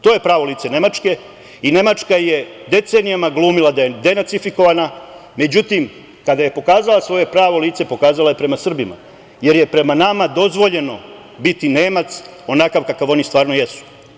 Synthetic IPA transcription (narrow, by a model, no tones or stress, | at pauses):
t̪o̞ːje̞pɾaːʋo̞liːt̪se̞ne̞mat͡ʂke̞ | ine̞mat͡ʃkaje̞d̪e̞t̪se̞nijamaɡlˠuːmilˠad̪ajed̪e̞nat̪sifiko̞ʋaname̞d͡ʑut̪im | kad̪aje̞po̞kaːzalˠasʋo̞je̞pɾaːʋo̞liːt̪se̞po̞kaːzalaje̞pɾe̞masr̩bima̰ | je̞ɾje̞pɾe̞manamad̪o̞zʋo̞ʎe̞no̞ | bit̪ine̞ːmat̪so̞nakaʋkakaʋo̞nist̪vaːɾno̞jesu̥